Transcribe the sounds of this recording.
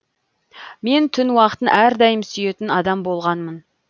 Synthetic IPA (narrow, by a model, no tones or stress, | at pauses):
me̞nt̪ʰʏnwɑqə̥t̪ənʔæɾd̪ɑjəmsyje̞t̪ɪnɑd̪ɑmbo̞lˠʁɑnmən